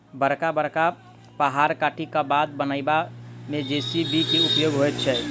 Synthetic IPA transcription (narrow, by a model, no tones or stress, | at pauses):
bəɾkabəɾka | pəɦaɾkaːʈʰikabad̪̚bənaɪbamẽd͡ʒesibʱikiupjoɡɦojt̪̚t͡ʃʰɛ